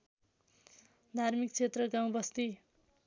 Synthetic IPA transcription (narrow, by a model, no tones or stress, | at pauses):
d̪ʱarmik̚t͡sʰet̪rʌɡãw̃bʌst̪i